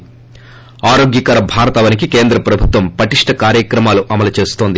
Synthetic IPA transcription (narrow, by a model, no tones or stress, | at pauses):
aːɾoːɡjɐkɐɾɐbʱaːɾɐt̪ɐʋɐnikike̞ːnd̪ɾɐpɾɐbʱut̪ʋɐmpɐʈiʂʈɐkaːɾjɐkɾɐmaːluʔɐmɐlɐt͡ʃe̞ːst̪o̞ːnd̪i